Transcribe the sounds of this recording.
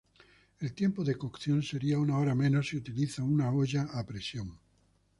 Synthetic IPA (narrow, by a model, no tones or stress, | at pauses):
elt̪je̞mpoðe̞kokθjo̞nse̞ɾiaunaoɾamẽ̞nosiut̪iliθaunaoʎaːpɾesjoŋ